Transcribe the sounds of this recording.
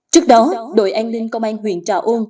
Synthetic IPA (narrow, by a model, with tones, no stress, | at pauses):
t͡ɕɨ˦˥ək̚ɗɔ˨˦ɗo̰˧˩jʔa˧jŋ̟lï˧ŋ̟kə˧wŋ͡mʔaː˧nɦwḭ˧˨ənt͡ɕa̰ː˧˩wʔo˧n